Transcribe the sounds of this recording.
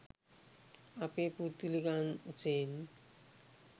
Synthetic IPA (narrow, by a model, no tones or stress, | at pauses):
apeput̪ilikand͡ʒen